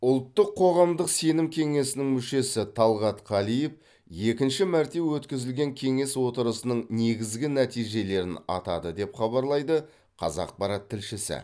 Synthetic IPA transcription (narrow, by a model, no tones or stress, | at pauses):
ʊlˠt̪ːəqʰːo̞ʁɑmd̪əqse̞nɪmkʲʰe̞ŋe̞sɪnɪŋmʏʃe̞sɪt̪ʰɑlˠʁɑt̪qʰɑlijef | je̞kʲɪnʃɪmæɾt̪e̞wɵt̪kʲɪzɪlɡʲe̞ŋkʲʰe̞ŋe̞swo̞t̪əɾəsənəɴne̞ɡʲɪzɡʲɪnæt̪ijʒe̞le̞ɾɪnɑ̰t̪ɑd̪əd̪e̞pχɑbɑɾlˠɑjd̪ə | qʰɑ̰zɑ̰q̚pɑɾɑt̪ʰːɪlʃɪsɪ̰